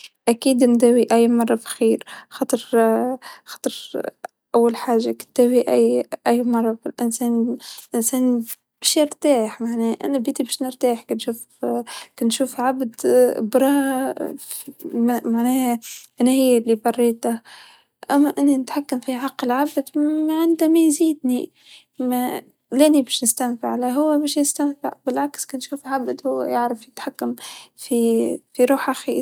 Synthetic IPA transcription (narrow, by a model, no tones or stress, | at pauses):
ʔækiːd̪nd̪æːwiʔæjːmɑrˤːɑbxiːɾxɑːt̪ˤɨɾ | xɑːt̪ˤɨɾ | ʔawːalħaːʒːakɪ̥t̪d̪̥æːwiʔæjʔæjːmɑrˤːɑbilʔɪnsɛːnʔɪnsæːn | b̥æʃjɪɾt̪aːħmaʕnɛːʔæ̰næbiːt̪ibæʃnəɾt̪aːħkænʃuːf | kænʃuːfʕabd̪bɾˤɑː | mmaʕnæːhʔænæhɪjːælːibɑrˤːiːt̪a | ʔæmːæʔɪnːinɪt̪ħakːamfiʕɑqːəlʕabd̪mæʕand̪æmæjziːd̪ni | mæ | lænibæʃnɪst̪amfɪʕlæɦʊwːæbæːʃjɪst̪æmfɪ̰ʕbɪlʕakskænʃuːfʕabd̪hʊwːæ̰jaʕɾɪfjɪt̪ħakːamfifiɾuːħʔaxi